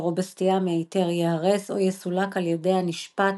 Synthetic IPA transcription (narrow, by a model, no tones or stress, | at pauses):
ʁobastijameaite̞ʁjehaʁeso̞̰jesulakaljede̞jhaniʃpat